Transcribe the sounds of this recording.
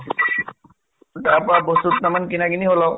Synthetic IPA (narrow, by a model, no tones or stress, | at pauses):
taːpɔabɔstut̪namankinaɡiniɦolaw